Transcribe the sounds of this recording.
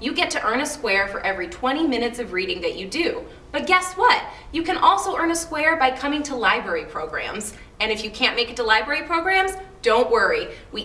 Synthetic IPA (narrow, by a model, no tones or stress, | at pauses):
jɨɡɛtʰɨʔɜ̃˞nɨskwɛɹfə˞ʔɛvɹitʰw̥ɛ̃ɾ̃imɪ̃ñɨtsʌvɹiɾɪ̃ŋðɨt͡ʃɨdʉ | b̥ʌt̚ɡ̥ɛswʌt̚ | jɨkʰɨ̃nʔɔlˠsoʊʔɜ̃˞nəskwɛɹbaɪkʰʌmɪ̃ŋtʰəlaɪbɹɛɹipʰɹ̥oʊɡɹæ̰̃mz | ɨ̃ñɨfjɨkʰæ̃nmeɪkɨtəlaɪbɹɛɹipʰɹ̥oʊɡɹæ̃mzd̥õʊ̃nʔwɜ˞iwi